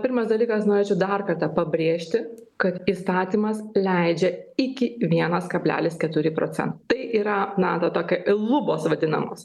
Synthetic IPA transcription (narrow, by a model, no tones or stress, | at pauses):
pʲɪɾmɐsd̪ɐlʲiːkɐsnoːɾʲeːt͡ʃʲɛʊd̪ɑrkɐrt̪ɑːpɐbʲɾʲeːʃʲt̪ʲɪkɐt̪iːst̪ɑːt̪ʲiːmɐslʲɛɪd͡ʒʲɛɪkʲɪʋʲiɛnɐskɐbʲlʲæ̰ːlʲɪskʲɛt̪ʊɾʲɪpɾo̰ːsʲɛ̰nt̪ɐt̪ɐɪʔiːɾɐnɑːt̪oːt̪oːkʲɛʔɪlˠʊboːsʋɐd̪ʲɪnɐ̰moːs